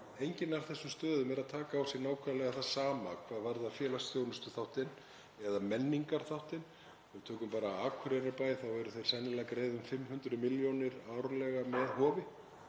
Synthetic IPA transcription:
ejɲcɪnaɾ̥θɛsːʏst̪œːðʏmɛɾaðt̪ʰaːkaawsjɪnaːwkʰvɛðlɛɣaθasaːmakʰvaːðvaɾðafjɛːlasjownʏst̪ʏθawht̪ɪn | ɛðamɛnːiŋkaɾ̥θawht̪ɪn | vɪt̪ʰœːkʏmpaːɾaaːkʰʏɾeɾaɾpaːjθawɛɾʏθejɾ̥sɛnːɪlakɾeːjðʏmfɪmːhʏnt̪ɾʏmɪljownɪɾaːwɾalɛɣamɛðhɔːvɪ

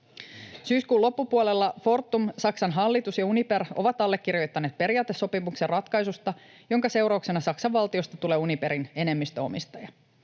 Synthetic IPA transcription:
syːskuːlo̞pːupuolelːɑfo̞rt̪ːumsɑksɑnɦɑlːit̪usjɑunipe̞ro̞ʋɑt̪ɑlːe̞k̟ːirjo̞jt̪ːɑneːt̪̚pe̞ɾijɑːt̪ːˑe̞sːo̞piʋukserrɑt̪kɑjsust̪ɑ | jo̞ŋkɑse̞wɾɑukse̞nɑsɑksɑʋʋɑlt̪io̞st̪ɑt̪ule̞ːunipe̞ɾine̞ne̞mːist̪øo̞̰mist̪ɑjɑ

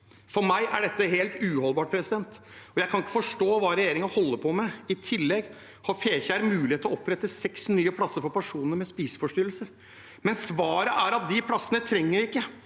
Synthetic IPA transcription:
fɔɾmæɪʔæ̰ɖɛt̪ːəɦeːlt̪ʉːhɔlˠbɑːʈ̚pʰɾɛsɪd̪ɛnt̪ɔjæɪkʰɑnɪkːə̥fɔʂʈoːʋɑːɾɛjeːɾɪŋɑhɔlːəɾpʰɔmɛɪt̪ʰɪlːɛɡ | hɑfeːçəæɾmʉːlɪeːt̪əlɔɔpɾɛt̪ːəsɛksnyːəpʰɽɑsːəɾfɔɾpæʂuːnəɾmɛspiːsə̥fɔʂʈyɾlsəɾ | mɛnsʋɑːɾəʔæɾɑt̪̚d̪ɪpʰlɑsənət̪ʰɾɛŋːəɾɪkːə

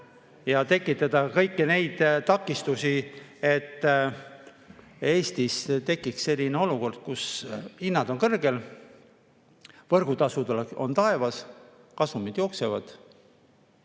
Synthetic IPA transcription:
jɑt̪e̞kːˑit̪ːˑɑd̪ɑkɤjkːine̞jd̪̥t̪ɑkːˑist̪usie̞t̪ː | e̞ːst̪ist̪e̞kːˑiksse̞lʲːineo̞luko̞rd̪̥̚kusinːɑd̪̥o̞nkɤrɡe̞l | vɤrɡ̥ut̪ɑsud̪ɑleo̞̰nt̪ɑe̞vɑs | kɑsumid̪̥jo̞ːkse̞vɑd̪̥

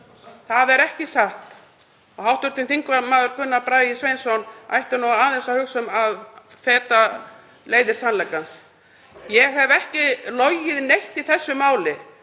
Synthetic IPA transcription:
θaðɛɾɛhcɪsaht̪ | ɔhawht̪ʏɾt̪ɪnθiŋkvamaːðʏɾkʰʏnːapɾaːisvejnsɔna̰jht̪ʏnɔaaθɛsahʏksʏmað | fɛːt̪a | leːjðɪɾ̥sanlajkans | jɛɦɛvɛhcɪlɔjɪðnejht̪iθɛsːʏmaːwlɪ

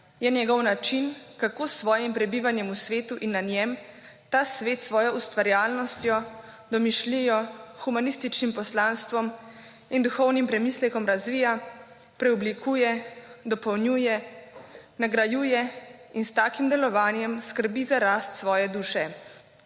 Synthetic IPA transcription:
jɛnjɛɡɔwnat͡ʃinkakoːsːʋɔːjimpɾɛbiːʋanjɛmusʋeːt̪uʔinːanjɛm | t̪aːsʋeːt̪sʋɔːjɔust̪ʋaɾjaːlnɔst̪jɔ | d̪ɔmiʃlijɔxumanist̪it͡ʃnimpɔslaːnst̪ʋɔm | ind̪uxɔwnimpɾɛmiːslɛkɔmɾazʋiːja | pɾɛublikuːjɛd̪ɔpɔwnjuːjɛ | naɡɾajuːjɛinst̪aːkimd̪ɛlɔʋaːnjɛmskəɾbizaɾaːst̪sʋɔːjɛd̪uːʃɛ

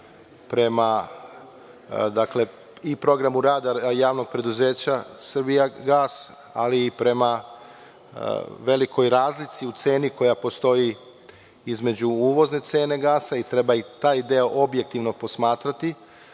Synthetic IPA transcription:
pɾe̞ma | d̪akle̞ | ipɾo̞ɡɾamuɾaːd̪ajaːʋno̞ɡ̚pɾe̞d̪uze̞ːt͡ɕasr̩bijaɡaːs | a̰liːpɾe̞ma | ʋe̞liko̞jɾaːzlit̪siut̪se̞ːniko̞japost̪o̞ji | izme̞d͡ʑuuːʋo̞zne̞t̪se̞ːne̞ɡaːsait̪ɾe̞bait̪aːjd̪eoʔo̞bje̞k̚t̪iʋno̞po̞smaːt̪ɾat̪i

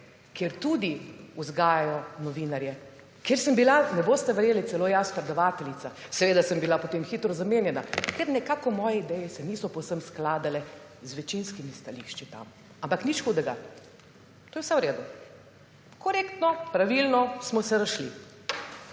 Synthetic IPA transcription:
kjeɾt̪ud̪iuzɡaːjajɔnɔʋinaɾjɛ | keɾsəmbilanɛboːst̪ɛʋɛɾjeːlitsɛloːjaspɾɛd̪ɔʋaːt̪ɛlit̪sasɛʋeːd̪asəmbilapot̪eːmxit̪ɾɔzameːnjɛnakeɾnɛkaːkɔmɔːjɛid̪ɛjɛsɛniːsɔpɔwsəmsklaːd̪alɛ | zʋɛt͡ʃinskimist̪aliʃt͡ʃit̪a̰m | ampaknit͡ʃkɔwd̪ɛɡa̰ | t̪oːjwsɛwɾeːd̪u | kɔɾeːkt̪nɔpɾaʋilnɔsmɔsɛɾaʃli

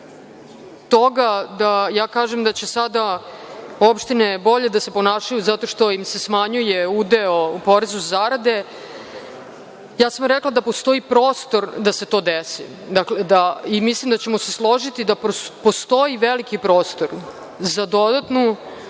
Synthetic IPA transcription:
t̪oɡad̪ajaːkaːʒemd̪at͡ɕe̞sad̪a | o̞pʃt̪inebo̞ʎed̪ase̞po̞naːʃajuzat̪o̞ʃt̪o̞imse̞smaɲujeud̪eopo̞ɾezuzaɾad̪e̞ | jaːsamɾeklˠad̪apo̞st̪o̞ipɾo̞ːst̪o̞ɾd̪ase̞t̪o̞ːd̪esḭ | d̪akled̪aimislimd̪at͡ɕemo̞se̞slˠo̞ʒit̪id̪appost̪o̞iʋelikipɾo̞ːst̪o̞ɾ | zad̪o̞d̪at̪nu

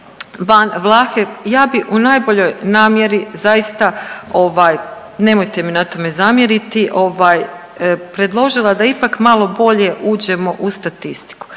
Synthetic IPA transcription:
banʋlˠaːxejaːbiunaːjbo̞ʎo̞jnaːmje̞ɾizajist̪ao̞ʋaːj | ne̞mo̞jt̪e̞minat̪o̞me̞zamjeɾit̪iʔo̞ʋaːj | pɾe̞d̪lˠo̞ʒilˠad̪aipakmalˠo̞bo̞ʎe̞ʔuːd͡ʑe̞mo̞ʔust̪at̪ist̪i̥ku̥

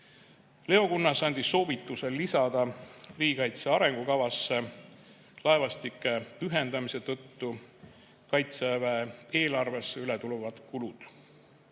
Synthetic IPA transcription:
le̞o̞kunːɑsɑnʲd̪̥ʲisːo̞ːvit̪ːˑuse̞lːisɑd̪̥ɑriːikɑjt̪seɑɾe̞ŋɡ̥ukɑvɑsːe̞ | lɑe̞vɑst̪ikːˑe̞yɦe̞nd̪ɑmise̞t̪ɤt̪ːu | kɑjt̪sevee̞ːlɑrve̞sːe̞ylet̪uluvɑd̪̥kulud̪̥

